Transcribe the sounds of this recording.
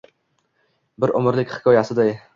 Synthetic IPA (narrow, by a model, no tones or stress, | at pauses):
bɪɾʔʊmɪɾlɪkʲhɪ̥kʲʰɒjasɪd̪aj